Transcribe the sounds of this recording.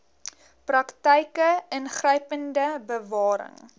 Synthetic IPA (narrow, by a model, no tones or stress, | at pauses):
prɐktəjkəənχrəjpəndəbəvɑːɾə̰ŋ